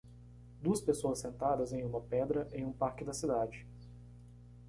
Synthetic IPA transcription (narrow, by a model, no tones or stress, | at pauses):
d̪uɐspesoɐsːẽnt̪ad̪ɐzẽj̃ũmɐpɛd̪ɾɐʔẽj̃ũpaɾkɪd̪ɐsid̪ad͡ʒɪ